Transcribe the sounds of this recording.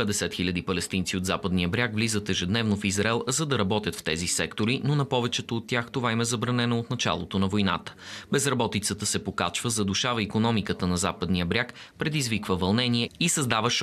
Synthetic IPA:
pɛd̪ɛsɛt̪xilʲəd̪ipɐlɛst̪insiod̪zapəd̪nijəbɾʲjakvlizət̪ɛʒɛd̪nɛvnofizɾɐɛlˠzɐd̪ɐɾɐbɔt̪jət̪ft̪ɛzisɛkt̪oɾinonɐpɔvɛt͡ʃɛt̪oːt̪ːʲjaxt̪ovaimɛzɐbɾɐnɛnoot̪nɐt͡ʃa̰lˠot̪onɐvojna̰t̪ə̥bɛzɾɐbɔt̪it̪sət̪əsɛpokat͡ʃvəzɐd̪uʃavəikonɔmikət̪ənɐzapəd̪nijəbɾʲakpɾɛd̪izvikvəvɐlˠnɛniɛisɐzd̪avəʃ

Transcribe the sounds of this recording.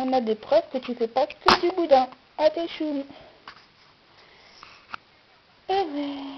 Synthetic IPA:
ɔ̃nad̪epχœvkət̪yfɛpakəd̪ybud̪ɛ̃ | at̪eʃum | e

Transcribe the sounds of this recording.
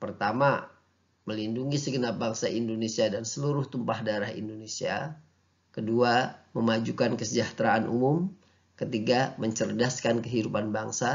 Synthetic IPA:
pərt̪ama | məlinduŋisəɡənap̚baŋsaʔindonesiadansəluɾʊht̪umpahdaɾahḭndonesia̰ | kəduaməmad͡ʒukankəsəd͡ʒaht̪ɾaanʔṵmʊm | kət̪iɡaməɲt͡ʃərdaskankəɦidupanbaŋsa

